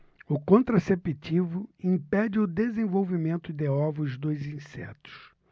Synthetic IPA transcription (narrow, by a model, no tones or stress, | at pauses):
ʊkõnt̪ɾasepit͡ʃivʊĩpɛd͡ʒɪʊd̪ezẽvowvimẽnt̪ʊd̪eɔvʊzd̪ojzĩsɛ̰t̪ʊ̥s